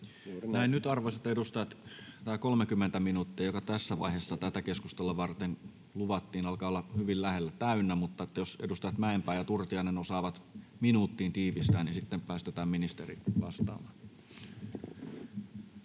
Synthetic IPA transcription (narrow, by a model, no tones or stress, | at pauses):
næennyt̪ɑrʋoset̪ːedust̪ɑjɑt̪t̪æˑkolmekymːent̪æminuːt̪ːiɑjokɑt̪æsːæʋɑ̰ihesːɑt̪æt̪ækeskust̪elːɑʋɑrt̪en | luʋɑt̪ːiːnɑlkɑːolːɑhyʋillæhelːæt̪æynːæmut̪ːɑet̪ːæjosedust̪ɑjɑt̪mæempæːjjɑt̪urt̪iɑinenosɑːʋɑt̪minuːt̪ːiːnt̪iːʋist̪æːnisit̪ːempæːst̪et̪æːmminist̪erḭʋɑ̰st̪ɑ̰ːmɑ